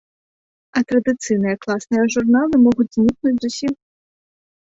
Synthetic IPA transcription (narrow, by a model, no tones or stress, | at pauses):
ɐt̪ɾɐd̪ɨt̪sɨjnɨjɐklˠasnɨjɐʐurnalˠɨmɔɣud͡zʲzʲnʲiknud͡zʲzusʲix